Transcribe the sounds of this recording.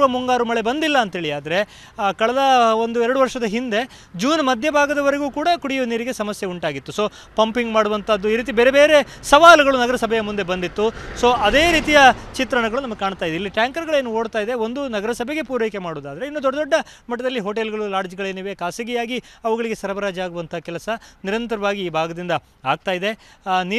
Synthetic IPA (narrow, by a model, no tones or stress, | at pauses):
ʋɐmuŋɡaːɾumɐɭe̞bɐnd̪ilːɐːnt̪ɦeɭijaːd̪ɐɾe̞ | kɐɭɐd̪ɐo̞nd̪uɛɾɐɽuʋɐɾʂɐd̪ɐɦind̪e̞ | d͡ʒuːnmɐd̪ʱjɐbʱaːɡɐd̪ɐʋɐɾeɡuːkuːɽɐkuɽijuniːɾiɡe̞sɐmɐsjeuɳʈaːɡit̪ːuso̞ː | pɐmpiŋɡmaːɽuʋɐnt̪ʰɐd̪ːuiːɾiːt̪̬ibeːɾebe̞ːɾe̞ | sɐʋaːluɡɐɭunɐɡɐɾɐsɐbʱɛjɐmund̪e̞bɐnd̪it̪ːuso̞ːɐd̪e̞ːɾiːt̪ijɐt͡ʃit̪ɾɐɳɐɡɐɭunɐmɐɡekaːɳt̪aːjd̪eilːiʈjaːŋkɐɾɡɐɭe̞ːnuo̞ːɽt̪aːjid̪eo̞nd̪unɐɡɐɾɐsɐbʱe̞ɡe̞puːɾejkemaːɽoːd̪aːd̪ɐɾeinːud̪ɔɖːɐd̪ɔɖːɐ | mɐʈːɐd̪ɐlːiɦoːʈ̬elɡɐɭulaːɽd͡ʒɐɡɐɭeːnuːʋe̞kaːsɐɡijaːɡiɐʋuɡɐɭiɡe̞sɐɾɐbɐɾaːd͡ʒɐaːɡuʋɐnt̪ʰakɛlɐsɐniɾɐnt̪ɐɾɐʋaːɡiːbʱaːɡɐd̪ind̪ɐ | a̰ːɡ̚t̪aːjid̪e̞niː